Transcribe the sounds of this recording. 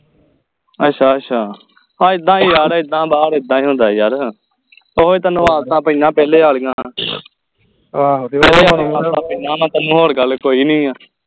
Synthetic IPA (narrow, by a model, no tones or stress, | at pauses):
əʃʰaːət͡ʃʰaː | ãːɪd̪ːãːiːjaːɾɪd̪ːãːbaːɽɪd̪ːãːĩːɦõːnd̪aːjaːɾ | oːɦeːt̪ənːũːaːt̪ãːpəɲãːpɛːleːaːlɡãː | ɛːleːoːñːaːt̪ãːpəɲãːmãːt̪ənũːɦoːɽɡəlkoːiːnĩːaː